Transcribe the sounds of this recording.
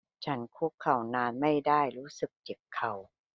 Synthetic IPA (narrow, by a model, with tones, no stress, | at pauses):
t͡ɕʰa˦˥nkʰu˦˥kʰːa˧˩wnaː˧nma˥˩jdaː˥˩jɾuː˦˥sɯ˨˩k̚t͡ɕe˨˩kʰːa˧˩w